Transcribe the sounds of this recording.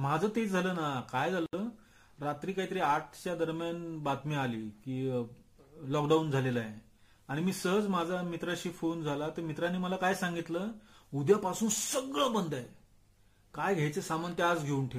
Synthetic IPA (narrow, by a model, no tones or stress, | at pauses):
mad͡zʱət̪ed͡zʱaləːnakajd͡zʱalə | ɾat̪ɾiːkaɦit̪̬əɾiaʈ̚ʰt͡ɕjad̪əɾmjanbat̪mialiːkiː | lɔkɖaund͡zʱalelaje | aɽ̃imiːsəɦəd͡zmad͡zʱamit̪ɾaɕiːfond͡zʱalat̪əɾmit̪ɾanːiːməlakajsaŋɡit̪ləːud̪japasuːnsəɡɭɔbənd̪ʱaj | kajɡʱejt͡sesamənt̪ead͡zɡʱeuːnʈʰe